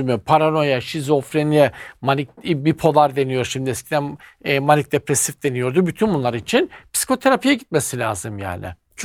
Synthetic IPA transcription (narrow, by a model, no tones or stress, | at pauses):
mypʰaɾano̞jaʃizo̞fɾenimanic̚bipʰo̞lˠaɾd̪e̞nijo̞ɾʃimd̪iɛscʰʲid̪ænːmanic̚d̪e̞pɾesifd̪e̞nijo̞ɾd̪ubyt̪ʰynbunlˠaɾit͡ʃʰinpʰsi̥kʰo̞t̪ʰe̞ɾapʰijɛɟit̪̚me̞silʲaːzɯmja̰ːnɪ̰ | t͡ʃʰ